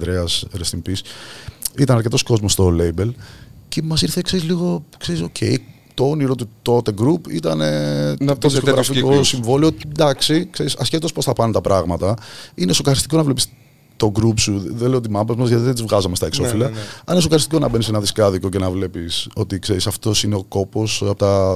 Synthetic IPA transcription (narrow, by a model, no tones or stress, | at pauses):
d̪ɾeɐsɾest̪impis | it̪ɐnɐɾc̬e̞t̪o̞sko̞zmo̞st̪ole̞jbe̞lcemɐsiɾθe̞kseɾizliɣo̞kse̞ɾisocʰe̞̰j | t̪ooniɾo̞t̪ut̪o̞t̪e̞ɡɾupḭt̪ɐne̞t̪oðisko̞ɣɾɐfikosiɱvo̞liotd̪ɐksikseɾisɐsçe̞t̪o̞spoθɐpɐnet̪ɐpɾɐɣmɐt̪ɐinesokɐɾist̪iko̞nɐvle̞pis | t̪o̞ɡɾupsuðelejot̪imɐmbɐzmɐzʝɐt̪iðet̪izvɣɐzɐmest̪ɐekso̞filɐɐninesokɐɾist̪iko̞nɐbe̞nisenɐðiskɐðiko̞cenɐvle̞piso̞t̪ikse̞ɾisɐft̪o̞sineo̞ko̞po̞sɐpot̪ɐ